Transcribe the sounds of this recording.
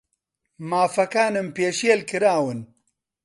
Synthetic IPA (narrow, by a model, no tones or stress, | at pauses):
maːfɐkaːnɨmpeːʃelkɨɾaːwɨn